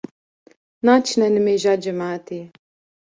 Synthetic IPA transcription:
naːt͡ʃʰnɛnɨmeːʒaːd͡ʒɨmaːt̪eː

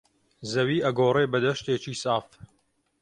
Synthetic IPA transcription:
zɐwiːɐɡoːreːbɐd̪ɐʃt̪eːt͡ʃiːsaːf

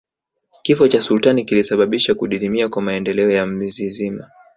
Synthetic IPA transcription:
kifɔt͡ʃasultanikilisaɓaɓiʃakuɗiɾimiakwamaɛndɛlɛɔjam̩zizima

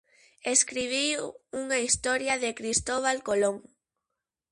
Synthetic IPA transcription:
eskɾiβ̞iuŋaist̪ɔɾjaðɪkɾist̪oβ̞alkoloŋ

